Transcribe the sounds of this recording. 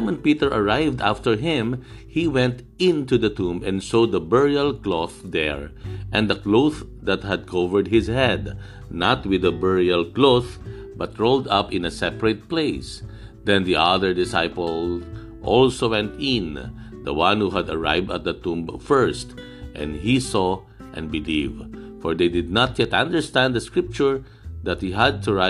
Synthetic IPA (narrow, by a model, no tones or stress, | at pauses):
amə̃npit̪əɹʔɐɹaɪvd̪aft̪əɹɦɪ̃m | hiwɛ̃nt̪ | ɪ̃nt̪ud̪ɐt̪ũmbɛ̃nsod̪ɐbɛɹiəlkloθd̪ɛɹʔɛ̃nd̪ɐkloʊð | d̪at̪̚hæd̪̚kʰovəɹd̪̚hɪzhɛd̪ | nat̪wɪðɐbɛɹialkloθ | bʌt̪ɹoʊld̪ʌpɪ̃nɐsɛpɹɛt̪̚pleɪs | d̪ɛ̃nd̪iʔad̪əɹd̪ɪsaɪpəl | ʔɔlsowɛ̃nt̪ɪ̃n | d̪ɐwãnhuɦæd̪ɐɹa̰ɪvd̪ɐ̰t̪̚d̪ɐt̪ũmbfɛɹst̪ | ʔɛ̰̃nhisɔ | ʔɛ̰̃nbɪlivfɔɹd̪ejd̪ɪd̪̚nat̪̚jɛt̪ãnd̪ə˞st̪æ̃nd̪d̪ɐskɹɪp̚t͡ʃʊɹ | d̪at̪̚hiɦæd̪̚t̪ʰuɹa